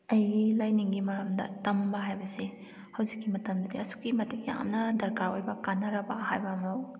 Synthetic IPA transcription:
ɐjɡilɐjniŋɡimɐɾɐmdɐ̰tɐmbɐɦajbɐsi | hɐwzikːimɐtɐmdɐdiɐsu̥kːimɐtik̚ja̰mnɐdɐɾkaɾojbɐkanːɐɾɐbɐhajbɐːmɐw

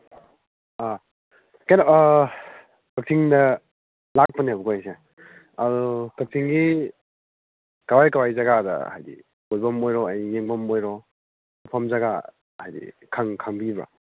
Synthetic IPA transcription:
a | kajna | kak̚sʰiŋdɐ | lak̚pɐniabukojse | adukak̚tʰiŋɡi | kawajkawajzaɡadɐ̰ha̰jdḭ | ɡolbɐmːojɾɔajnijeŋbɐmojɾɔ | apʰɐmzaɡa | ajdḭ | kʰaŋkʰaŋbibɾa̰

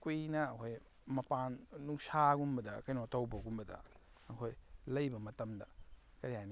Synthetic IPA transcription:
kujnɐːkʰoj | mɐpanːuŋsaɡumbɐdɐkɐjnotɐwbɐɡumbɐdɐ̰ | ɐkʰojlɐjbɐmɐtɐmdɐ̰ | kɐɾijajn

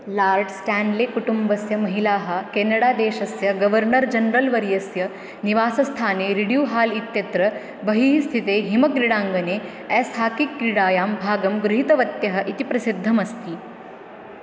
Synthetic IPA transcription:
laːɾɖsʈaːnɖleːkuʈumbɐsjɐmɐɦilaːɦɐ̆keːnɐɽaːd̪eːʃɐsjɐɡɐʋɐɾɳɐɾd͡ʒɐnɾɐlʋɐɾjɐsjɐ | niʋaːsɐst̪ʰaːneːɾiɽjuːɦaːlit̪jɐt̪ɾɐ | bɐɦiɦist̪ʰit̪eːɦimɐkɾiɽaːŋɡɐneː | ɛːsaːkikːɾiɽaːjaːmbʱaːɡɐmɡɾuɦit̪ɐʋɐt̪jɐɦɐ̆ʔit̪ipɾɐsid̪ʱːɐmɐst̪i

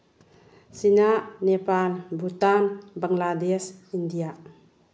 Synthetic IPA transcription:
sinaʔnepalbut̪anbaŋladɛsindijaʔ

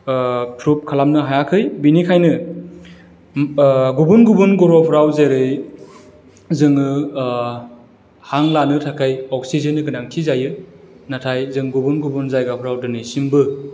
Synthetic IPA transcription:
tʰɾup̚kʰalamnɯɦajakʰɯjbinikʰajnɯ | ɡubunɡubunɡɔɾɔwpʰɾawzeɾɯj | zɯŋɯ | haŋlanɯtʰakʰajɔk̚sizɯnːɯɡɯnaŋtʰizajɯ | natʰajzɯŋɡubunɡubunzajɡapʰɾawdɯnɯsimbɯ

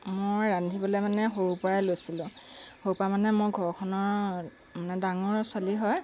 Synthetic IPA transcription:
mojɹandʱibɔlemanɛɦoɹupɔɹalojsilʊ̃houpɔamanɛmojɡʱɔɹkʰɔnɔɹ | manɛdaŋɔɹswaliɦɔj

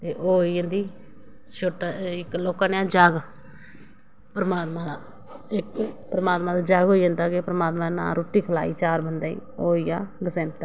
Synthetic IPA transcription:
t̪eːʔoːiːənd̪iː | t͡ʃʰoːʈɪkloːkãːneãːd͡ʒaːɡ | pəɾəmaːt̪mãːd̪aː | ɪkpɾəmaːt̪mãːd̪aːd͡ʒaːɡɦoːiə̃nd̪aːkeːpəɾəmaːt̪mãːnã̰ːɾoːʈiːkʰəla̰ːḭːt͡ʃaːɾbənd̪aːḭːoːiːjaːɡəsɛ̃ːnt̪a

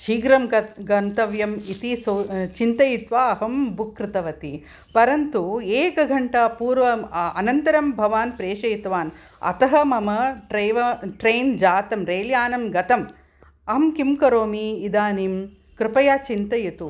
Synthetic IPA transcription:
ʃiːɡɾɐmɡɐnt̪ɐʋjɐmit̪isoːt͡ʃint̪ɐjit̪ʋaːɐɦɐmbukɾɪt̪ɐʋɐt̪i | pɐɾɐnt̪ueːkɐɡʱɐɳʈɐpuːɾʋɐɐnɐnt̪ɐɾɐmbʱɐʋaːnpɾeːʂɐjt̪ʋaːn | ɐ̰t̪ɐɦɐmɐmɐʈɾɐʋɐʈɾeːnd͡ʒaːt̪ɐmɾeːljaːnɐmɡɐt̪ɐm | ɐɦɐmkimkɐɾoːmiːd̪aːnim | kɾɪpɐjaːt͡ʃint̪ɐjit̪u

